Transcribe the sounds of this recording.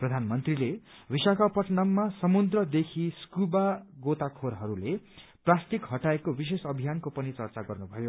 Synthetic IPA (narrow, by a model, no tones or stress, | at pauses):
prʌd̪ʱanmʌnt̪rile | bisakapʌʈnʌmːasʌmud̪rʌd̪ekʰiskubaɡot̪akʰoɾɦʌɾule | prast̪ikɦʌʈaekobis̬esʌbʱijankopʌnit͡sʌrt͡saɡʌrnubʱʌjo